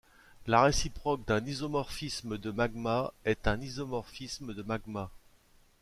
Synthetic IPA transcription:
laʁesipχɔk̚d̪ɛ̃nizɔmɔʁfisməd̪əmaɡmaɛt̪ɛ̃nizɔmɔʁfisməd̪əmaɡma

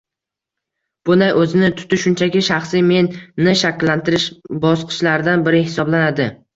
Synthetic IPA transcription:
b̥ʊnd̪ajʔɵzɪnɪt̪ʰʊ̥t̪ɪʃʊnt͡ʃʰakʲɪʃaχsime̞nːɪʃakʲlːant̪ʰɪɾɪʃbɒsqʰɨ̥ʃlaɾɪd̪anbɪɾɪɦɪsɒblanad̪ɪ

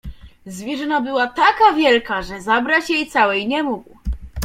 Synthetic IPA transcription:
zvʲjɛʐɨnabɘwat̪akavʲjɛlkaʐɛzabɾat͡ɕjejt̪sawɛjɲɛmuɡw

